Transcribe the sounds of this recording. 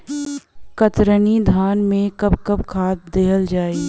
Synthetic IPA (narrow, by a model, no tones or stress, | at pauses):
kɐt̪ɾənid̪ʱaːnmẽkɐbkɐbkʰaːt̪̚d̪eːɦəld͡ʒaːi